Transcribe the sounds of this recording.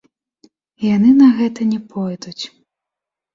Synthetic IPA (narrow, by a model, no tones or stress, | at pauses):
janɨnɐɣɛt̪ɐnʲɛpʰɔjd̪ut͡sʲ